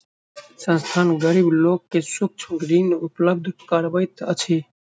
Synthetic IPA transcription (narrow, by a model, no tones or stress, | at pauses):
sə̃nst̪ʰaːnɡəɾibloːkːesʊk̚t͡ʃʰʊ̃ɡɾinupləb̚d̪ʱkaɾbəjt̪ə̰t͡ʃʰi